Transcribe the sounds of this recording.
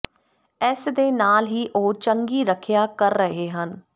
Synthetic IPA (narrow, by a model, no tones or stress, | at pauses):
ɛsd̪eːnaːlɦiːʔoːt͡ʃəŋɡiːɾəkʰjaːkəɾːəɦeːɦən